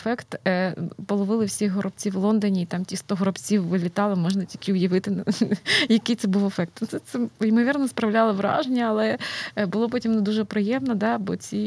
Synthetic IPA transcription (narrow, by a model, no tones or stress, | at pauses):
fɛkt̪ | pɔlˠɔʋɪlˠɪwsʲixɦɔɾʔɔb̚t͡sʲiwlˠɔnd̪ɔnʲiːt̪ɑmtʲist̪ɔɦɔɾɔbt͡sʲiwːɪlʲɪt̪ɑlˠɪmɔʒnɐtʲilʲkʲɪʊjɐʋɪt̪ɪ | jɐkɪjt̪sɛbuʋefɛk̚t̪nut̪sɛt̪sɛimɔʋʲirnɐspɾɐwlʲɑlˠɪʋɾɑ̰ʒenʲːɐɐlˠɛbʊlˠɔpɔtʲimnɛd̪uʒɛpɾɪjɛmnɐd̪ɑbɔ̰t͡sʲi